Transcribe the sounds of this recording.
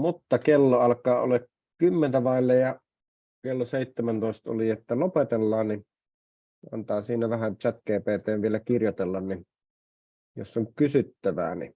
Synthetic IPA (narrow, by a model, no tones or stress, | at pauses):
mut̪ːɑkelːoɑlkˑɑːo̰lek | kymːent̪æʋɑˑilːɑjɑ | kelːoseˑit̪ːemænt̪oˑest̪o̰liet̪ːælopet̪elːɑːnni | ɑ̰nt̪ɑːsiːnæʋæhænt͡ʃæt̪keːpeːt̪ˑeːʋʋielækirjot̪elːɑnnin | jo̰sːoŋkysyt̪ːæʋæ̰ːnḭ